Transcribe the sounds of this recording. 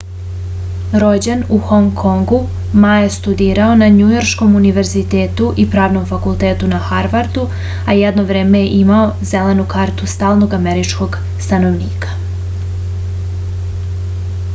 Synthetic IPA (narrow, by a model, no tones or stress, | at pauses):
ɾo̞d͡ʑenuxo̞ŋkʰoŋɡu | majest̪ud̪iːɾao̞naɲujo̞ɾʃko̞muniʋe̞ɾzit̪eːt̪uʔipɾaːʋno̞mfakulˠt̪eːt̪unaxaɾʋaɾd̪u | ajɛd̪no̞ʋɾe̞ːmejeʔimaozelenukaːɾt̪ust̪aːlˠno̞ɡameɾit͡ʃko̞ɡ | st̪ano̞ʋniːkḁ